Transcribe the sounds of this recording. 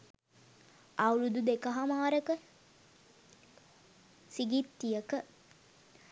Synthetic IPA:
awlud̪ud̪ekɐɦamaːɾəkə | siɡit̪ːijəkə

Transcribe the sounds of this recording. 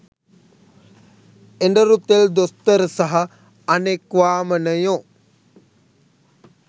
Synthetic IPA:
eɳɖəɾut̪eld̪ost̪əɾəsaɦɐ | ɐnekʋaːmənəjo

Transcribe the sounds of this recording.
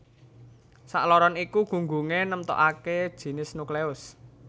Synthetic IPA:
sa̰ʔlɔɾɔnikuɡ̥ṳŋɡuŋenəmt̪ɔ̰ʔaked̥ʒ̥i̤nɪsnukleʊs

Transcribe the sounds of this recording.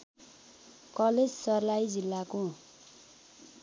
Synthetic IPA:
kʌled͡zsʌrlajid͡zilːako

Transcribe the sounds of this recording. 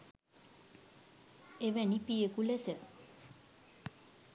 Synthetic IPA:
eʋɛnipijekulesə

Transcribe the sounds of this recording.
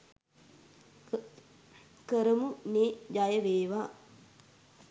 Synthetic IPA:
kəɾəmuneːd͡ʒajəʋeːʋaː

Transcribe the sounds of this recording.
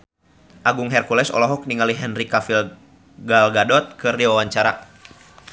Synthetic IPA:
ʔaɡuŋɦɛrkulɛsɔ̰lɔɦɔk̚niŋaliɦɛnrikafil | ɡalɡadɔt̪̚kɨrdiwawaɲt͡ʃaɾa̰

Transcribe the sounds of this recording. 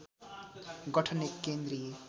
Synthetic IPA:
ɡʌʈʰʌnekːend̪ɾi

